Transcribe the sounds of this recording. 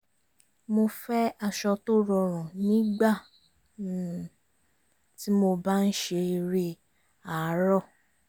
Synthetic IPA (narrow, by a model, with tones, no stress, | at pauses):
mo˧fɛ˦a˧ʃɔ˧to˦ɾɔ˧ɾ̃ã˨nĩː˨˦ɡ͡ba˦˨ | ti˦mo˧ba˦n̩˦ʃe˧i˧ɾe˧ | a˨˦ɾɔ˦˨